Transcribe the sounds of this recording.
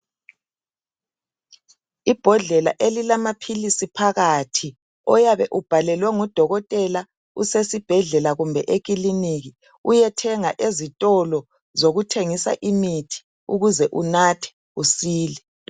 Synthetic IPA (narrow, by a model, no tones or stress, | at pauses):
ib̥ʱɔɮɛla̰ʔelilamapʰilisipʰaɣatʰi | ɔjaβɛʔub̥ʱalɛlwɛŋud̥ʱɔɣɔtʼɛla | usesib̥ʱɛɮɛlaɣumbʱɛʔeɣ̬ʼiliniɣi | ujɛtʰɛŋaʔezitʼɔlɔ | zoɣutʰeŋisa̰ʔimitʰi̥ | uɣuzɛʔunatʰɛ̥ | usiːlɛ